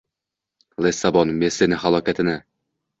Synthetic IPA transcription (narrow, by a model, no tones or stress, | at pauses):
lˠesabɒnmesenɪɦalˠɒkʲat̪ʰɪnɪ